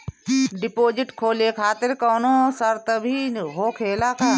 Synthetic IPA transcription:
ɖɪpoːd͡ʒɪʈkʰoːlekʰaːt̪ɪɾkɔːnoːsəɾt̪əbʱiɦoːkʰeːlakʰaː

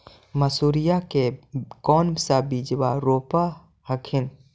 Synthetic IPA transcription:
məsuːɾijakekɔːnsabiːd͡ʒwaɾoːpa | həkʰɪn

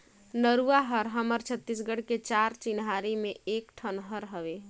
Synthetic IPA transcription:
nəɾuaɦəɾɦəməɾt͡ʃʰət̪ːisɡəɽ̤ket͡ʃaɾt͡ʃinɦaɾimeekʈʰənɦəɾɦəbe

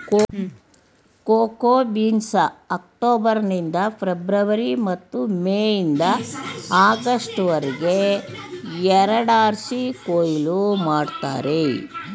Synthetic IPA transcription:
koːkoːbiːnsɐːk̚ʈoːbɐɾnind̪ɐpʰɾebɾɐʋɐɾimɐt̪ːumeːjind̪ɐaːɡɐʂʈʋɐɾiɡe̞ | ɛɾɐɽaːɾsikoːjilumaːɖt̪a̰ːɾe

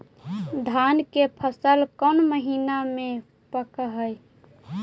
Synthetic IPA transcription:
d̪ʱankepʰəsəlkənməɦiname | pəkəɦəj

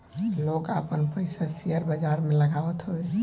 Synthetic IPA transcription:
lokapənpəjsasiəɾbəd͡ʒaɾmeləɡaʋət̪ɦoe

